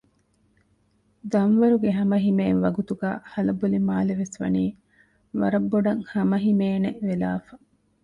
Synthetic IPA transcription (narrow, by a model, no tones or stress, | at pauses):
d̪ɐnʋɐɾuɡeɦɐmɐɦimeːnʋɐɡut̪uɡaːhɐlɐbolimaːleʋesʋɐ̰niː | ʋɐ̰ɾɐbːoɖɐŋhɐmɐɦimeːneʔʋelaːfɐ